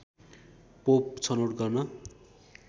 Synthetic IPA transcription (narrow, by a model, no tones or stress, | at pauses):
pop̚t͡sʰʌnoʈɡʌrnʌ